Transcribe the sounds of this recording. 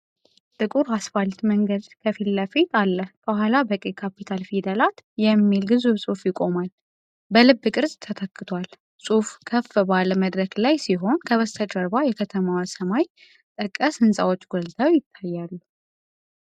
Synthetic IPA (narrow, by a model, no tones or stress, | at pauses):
t̪ʼɨkʼuɾasfalt̪məŋɡəd̪kʰəfilːafit̪ʼalːəhb̥əhʷalabəkʼekʰapit̪ʰalfid̪əlat̪jɛmːilɡɨzuβsʼufjɪkʼo̞mal | bəlɨbːɨkʼɨɾzʼt̪ʰːət̪ʰəkʼːɨt̪ʰwal | sʼufkʰəfbaləməd̪ɾəklajsiɦo̞nkʰəβəst̪ʰət͡ʃʼəɾbajɛkʰət̪ʰəmawsəmaj | t̪ʼəkʼːəsɨnsʼawot͡ʃːɡɔlt̪ʰʼawjɪt̪ʰːajːalːu